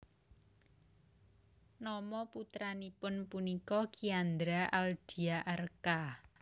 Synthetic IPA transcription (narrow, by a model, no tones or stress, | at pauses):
nɔmɔput̪ɾanipʊnpunikɔkiand̪ɾaʔald̥i̤aʔarka